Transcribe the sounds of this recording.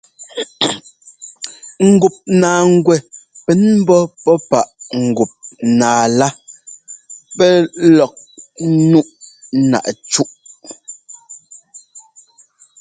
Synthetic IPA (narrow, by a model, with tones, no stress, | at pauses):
ŋ̩˨ɡu˨p̚naː˨ŋ̩˦ɡwɛ˨pɛ˨˦nm̩˦bɔ˦pɔ˦pa˦˨ʔŋ̩˨ɡu˨p̚naː˨la˦ | pɛ˦lɔ˨k̚nu˦ʔna̰˨ʔt͡ʃu˦ʔ